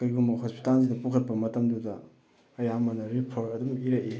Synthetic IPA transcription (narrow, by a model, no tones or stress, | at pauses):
kɐjɡumɐhospi̥talzidɐpukʰɐt̚pɐmɐtɐmdudɐː | jamɐnɐɾipʰoɾtɐdumiɾɐje